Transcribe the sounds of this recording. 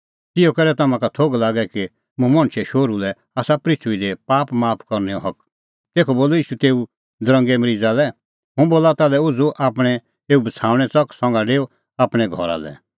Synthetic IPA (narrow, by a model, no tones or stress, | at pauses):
t̪ɪjokɛɾɛt̪ɐmãkat̪ʰoːɡlaːɡɛki | mʊ̃mɐ̃ɽ̃ʃʰɛʃoːɾulɛ | aːsapɾɪt̪ʰuid̪epaːpmaːpʰkɔɾnɛɔɦɐk | t̪eːkʰoboːloiːʃut̪eːu | d̪ɾɐ̃ŋɡɛmɐɾiːd͡zalɛ | ɦʊ̃boːlat̪alɛʊd͡zuʔaːpɽ̃ɛ | eːubɐt͡sʰaːʋɽ̃ɛt͡sɔksɔ̃ŋɡaɖeːo | aːpɽ̃ɛɡʱɔ̰ɾa̰lɛ̰